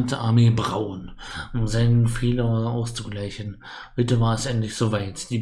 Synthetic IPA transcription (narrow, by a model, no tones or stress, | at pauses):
ntʰəʔaɐmeːbʁaʊənʔʊmzaɪnənfeːlɐʔaʊst͡suɡlaɪçən̩ | hʏtəvaːɐɛsʔɛntlɪçz̥oːvaɪtd̥iː